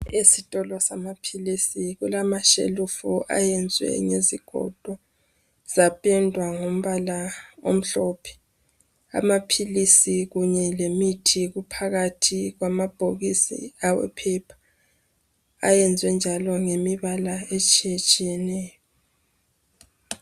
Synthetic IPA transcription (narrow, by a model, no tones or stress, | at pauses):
esitʼɔlɔsamapʰilisiɣulamaʃḛlufuʔa̰jɛnd͡zʱwɛ̰ɲeziɡ̥ʱɔ̰d̥ʱɔ | z̥apʼɛndʱwaŋom̩βalao̰m̩ɬɔpʰɛ̥ | a̰mapʰilisiɣuɲɛlemitʰiɣupʰaɣatʰiɣwamab̥ʱoɣisḭawɛ̰pʰɛpʰḁ | a̰jɛnd͡zʱwɛnd͡ʒʱalɔŋemiβalaet͡ʃʼijet͡ʃʼijɛnɛːjɔ